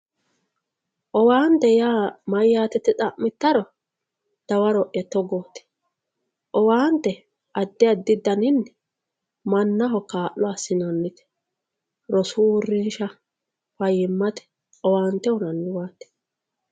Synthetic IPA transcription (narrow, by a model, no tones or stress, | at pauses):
ʔɔwaːnt̪ɛjaːmɐjːaːt̪ɛt̪ːɛt͡sʼɐʔmɪt̪ːɐɾɔ | d̪̥ɐwɐɾɔʔjɐt̪ːɔɡoːt̪ɛ̥ | ʔɔwaːnt̪ːɛ | ʔɐd̪ːɪɐd̪ːɪd̪ːɐnɪnːɛ | mɐnːɐɦɔkaːʔːɔasɪnɐnːɪt̪ɛ̥ | ɾɔsuʊrːɪnʃɐ | fɐjɪmːɐt̪ɛ̥ | ɔwaːnt̪ɛwɔnɐnːɪwaːt̪ːɛ̥